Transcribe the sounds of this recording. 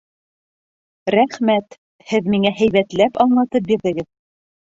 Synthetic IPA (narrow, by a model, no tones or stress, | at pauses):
ɾæχmæt̪ | hɘðmiŋæɦæjβæt̪læpɑɴlˠɑt̪ɤp̚biɾðɘ̆ɡɘð